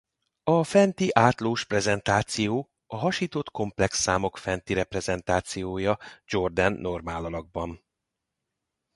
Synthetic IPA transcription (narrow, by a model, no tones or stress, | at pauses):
ɒfɛnt̪iʔaːt̪loːʃprɛzɛnt̪aːt̪sijoː | ɒɦɒʃiːt̪o̞t̪ko̞mplɛksːaːmo̞kfɛnt̪iɾɛprɛzɛnt̪aːt̪sijoːjɒd͡ʒo̞rd̪ɛnːo̞rmaːlɒlɒɡ̚bɒn